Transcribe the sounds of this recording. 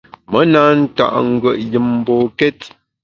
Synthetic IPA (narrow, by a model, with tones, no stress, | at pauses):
mə˦na˨˦n̩˦ta̰˦˨ʔŋ̩˦ɡə˨ʔjɨ˨m̩ː˦bo˨kɛ˦t